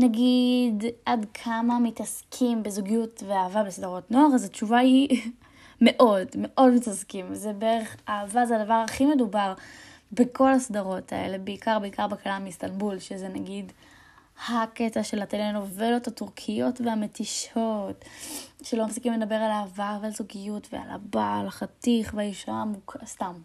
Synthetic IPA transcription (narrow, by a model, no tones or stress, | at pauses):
naɡidʔadkʰamamitaskʰimbezuɡijutveaːvabesdaʁo̞tnoaχazat͡ʃuvahi | me̞ʔo̞dme̞ʔo̞dmitaskimzebeʁeχaːvazeadavaʁaχime̞dubaʁ | bekʰo̞lasdaʁo̞tʰa̰e̞̰le̞beikaʁbeikaʁbekalamistanbulʃezenaɡid | haketaʃe̞lateleno̞velo̞thatuʁkʰijo̞tveame̞tiʃo̞tʃelo̞mafsikimledabe̞ʁalaːvaʁvealzuɡijutvea̰la̰balaχatiχveajiʃamukstam